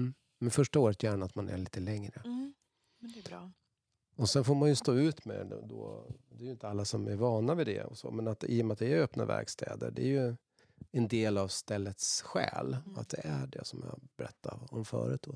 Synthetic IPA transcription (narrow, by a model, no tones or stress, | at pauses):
mɛnfœʂʈaoːɾət̪ʰjæːɳaat̪manʔæ̰ɭiːt̪əlɛŋɾə | ɔsɛnfoːɾmanjɵst̪oːʉ̟ːt̪mɛ̰d̪o̰ːd̪ɛːɾjʏɪnt̪əalːasɔmæɾvɑːnavɛd̪ɛ̰ɔ̰sɔ̰mɛnat̪ḭːjɔmat̪̚d̪ɛæɾøpna̰væ̰ɾɡst̪ʰɛ̰ːd̪ə̰ɖɛːjɵ | ɛnd̪eːlavst̪ɛlːət̪sɧɛ̰ːlɔa̰t̪̚d̪ɛʔæɖɛ̰sɔmjɑ̰bɛɾɛt̪ʰːaɾɔmfœ̰ːɾət̪̚d̪ɔ